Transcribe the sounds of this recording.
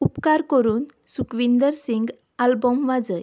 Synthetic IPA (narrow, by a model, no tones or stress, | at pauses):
upkaɾkəɾuːn | sukʋind̪əɾsiŋɡ | albɔmʋad͡zəj